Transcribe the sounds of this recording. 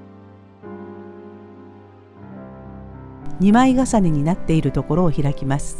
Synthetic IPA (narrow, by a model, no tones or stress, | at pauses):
ɲ̟imaiɡasaneɲ̟inat̪ːe̞iɾɯ̟t̪o̞ko̞ɾo̞ːçiɾakʲimasɨ̥